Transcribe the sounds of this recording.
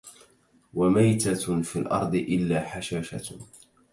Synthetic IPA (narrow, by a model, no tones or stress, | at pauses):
wamajt̪afilʔɑ̰ɾˤd̪ˤɨʔɪlːaːħaʃaːʃa̰